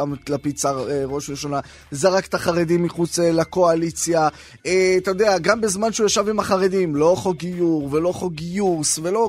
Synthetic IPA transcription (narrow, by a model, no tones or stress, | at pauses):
amlapit͡saʁeʁo̞ʃʁiʃona | zeʁake̥t̪aχaʁed̪imːiχut͡selako̞alit͡sja | et̪ajod̪eaɡambezmanʃeujaʃavimaχaʁe̞d̪imlo̞χoɡijuʁve̞lo̞χoɡijusve̞lo̞